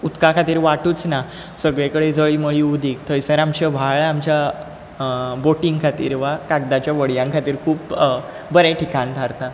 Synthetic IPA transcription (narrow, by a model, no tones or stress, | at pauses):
ut̪kakʰat̪iːɾʋaʈuːt͡sna | səɡɭekəɽed͡zəɭiməɭiud̪ʱiːkt̪ʰəjsaɾamt͡ɕəʋʱaɭamt͡ɕja | boʈiŋɡkʰat̪ḭːɾʋakaɡ̚d̪at͡ɕjaʋəɽjãŋkʰat̪iːɾkʰuːp | bəɾaʈʰikant̪ʰaɾt̪a